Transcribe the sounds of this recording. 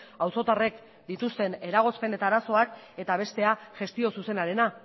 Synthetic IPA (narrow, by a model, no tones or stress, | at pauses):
awso̞t̪are̞k | d̪it̪ust̪e̞ne̞ɾaɣ̞o̞spe̞ne̞t̪aːɾaso̞ak | e̞t̪aβ̞e̞st̪e̞aʝe̞st̪io̞suse̞naɾe̞na